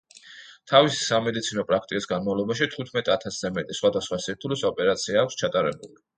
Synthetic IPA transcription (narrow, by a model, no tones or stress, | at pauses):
t̪ʰavisi̥samɛd̪it̪sʰinɔpʼɾak̚ʰt̪ʼikʼisɡanmavlˠɔbaʃit̪ʰχut̪ʰmɛt̪ʼat̪ʰaszɛmɛt̪ʼisχwad̪asχwasiɾt̪ʰulisɔpʼɛɾat̪sʰiaːkʰʷst͡ʃʰat̪ʼaɾɛbṵli